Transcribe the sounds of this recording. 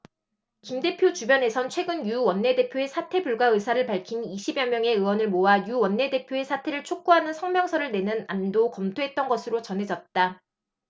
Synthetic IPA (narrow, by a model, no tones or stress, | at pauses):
kimde̞pʰjot͡ɕubjʌne̞sʰʌnt͡ɕʰwe̞ɡɯnjuwʌnːe̞de̞pʰjoe̞sʰatʰe̞buɭɡwaɯsʰaɾɯɭpaɭkʰiniɕʰibjʌmjʌŋe̞ɯwʌnɯɭmoajuwʌnːe̞de̞pʰjoe̞sʰatʰe̞ɾɯɭt͡ɕʰok̚k͈uɦanɯnsʰʌŋmjʌŋsʰʌɾɯɭne̞nɯnandokʌmtʰoɦe̞t̚t͈ʌnɡʌsʰɯɾot͡ɕʌnɦe̞d͡ʑʌt̚t͈a